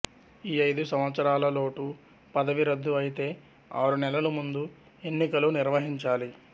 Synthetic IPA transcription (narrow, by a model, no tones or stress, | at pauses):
iːɐjd̪usɐmʋɐt̪sɐɾaːlɐlo̞ːʈu | pɐd̪ɐʋiɾɐd̪ːuɐjit̪e̞ː | a̰ːɾunɛlɐlumund̪u | e̞nːikɐluniɾʋɐɦiɲt͡ʃaːli